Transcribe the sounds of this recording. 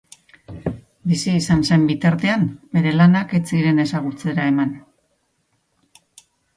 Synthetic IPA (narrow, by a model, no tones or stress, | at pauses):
bisiːsanse̞mbit̪aɾt̪e̞ambe̞ɾe̞lanake̞t͡siɾe̞ne̞saɣut͡se̞ɾae̞man